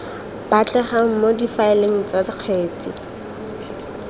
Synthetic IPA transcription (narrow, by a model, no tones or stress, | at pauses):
b̥at͡ɬʼɛχaŋ̩modifaɪleŋ̩t͡sadɪq͡χʰeːt͡si